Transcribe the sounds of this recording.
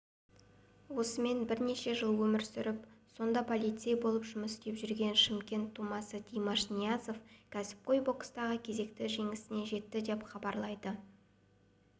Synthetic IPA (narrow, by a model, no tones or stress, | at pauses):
wo̞səme̞nbɪɾne̞ʃe̞ʒəlˠwɵmɪɾsʏɾɪpso̞nd̪ɑpʰo̞lʲˠijt̪sɨjabo̞lˠəpʒʊməst̪e̞pʒʏɾɡʲe̞nʃɪmkʲe̞nt̪ʰːumɑsət̪ʲʰijmɑʃnijaso̞fkʲʰæsɪ̥p̚qo̞jbo̞kə̥st̪ɑʁəkʲʰe̞ze̞kt̪ɪʒe̞ŋɪsɪne̞ʒe̞t̪ːɪd̪e̞pχɑbɑɾlˠɑjd̪ə